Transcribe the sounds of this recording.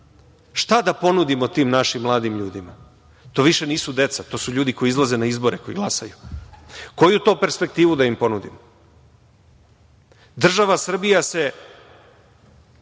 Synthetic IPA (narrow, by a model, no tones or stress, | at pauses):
ʃt̪ad̪apo̞nud̪imo̞t̪iːmnaʃimːlˠaːd̪imʎuːd̪ima | t̪o̞ːʋiʃe̞niːsud̪e̞t̪sat̪o̞ːsuʎuːd̪iko̞jiizlˠaze̞naizbo̞ɾeko̞jiɡlˠasaju | ko̞jut̪o̞pe̞ɾspe̞k̚t̪iːʋud̪aimpo̞nud̪imo | d̪r̩ʒaʋasr̩bijase̞